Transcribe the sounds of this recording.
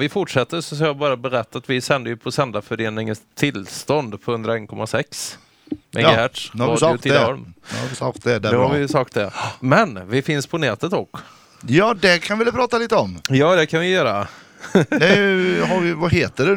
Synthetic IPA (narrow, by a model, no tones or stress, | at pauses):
vɪfʊʈʂɛt̪ːəsɔs̬ɑbɑːɾabɛɾɛt̪ːat̪vɪsɛnd̪əjɵpʰɔsɛnd̪afœɾeːnɪŋənst̪ʰːɪlst̪ɔnd̪pʰɔhɵnd̪ɾaɛnkʰɔmːasɛks | ɛ̰ŋhæːʈ̪ɑdt̪ʰɪɔɾmsɑkt̪d̪ɛd̪ɛɛhavɪjsɑːk̚t̪̚d̪ɛmɛnvɪfɪnspʰɔnɛːt̪ət̪ɔkː | jɑːd̪ɛkʰanvɪlpʰɾɑːt̪aliːt̪əɔmjɑːd̪ɛkʰanvɪjœːɾa | d̪ɛɦavɪvaheːt̪əɖʉ